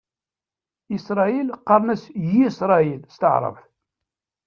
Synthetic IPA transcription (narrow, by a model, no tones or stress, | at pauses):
isɾˤɑilqːɑɾˤnæsjisɾˤɑilst̪əʕɾˤə̰vθ